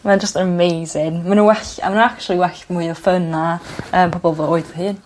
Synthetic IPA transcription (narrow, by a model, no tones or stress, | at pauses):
mad͡ʒəstəəmejzɪŋmanunwɛɬa̰manuak̚t͡ʃulˠiwɛɬmuɨɔfənaəːmpʰɔbɔlˠvəoːɨdðəɦɨːn